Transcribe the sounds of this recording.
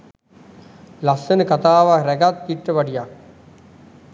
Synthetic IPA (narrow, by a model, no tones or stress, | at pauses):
lasənəkat̪aːʋaɾæɡat̪ːiʈːəʋaɖijak̚